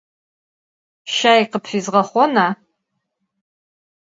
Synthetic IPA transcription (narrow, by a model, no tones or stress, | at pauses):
ʃaːiqəpʰfʷizʁɐχʷɔna